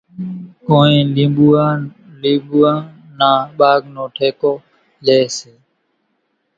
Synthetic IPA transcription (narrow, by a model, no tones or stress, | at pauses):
koːẽːliːbuãː | liːbuːãː | nãːɓaːɡnõːʈʰeːkoː | leːseː